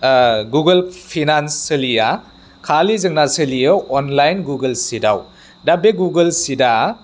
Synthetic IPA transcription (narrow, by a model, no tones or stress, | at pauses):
ɡuɡɐlpʰinansɯlija | kʰalizɯŋnasɯlijɐwɔnlajnɡuɡɐlsidaw | dabeɡuɡɐlsida